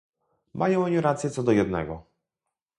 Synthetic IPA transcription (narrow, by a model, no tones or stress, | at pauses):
mʔajɔ̃w̃ɔɲiɾat̪sjɛt̪sɔd̪ɔjɛd̪nɛ̰ɡɔ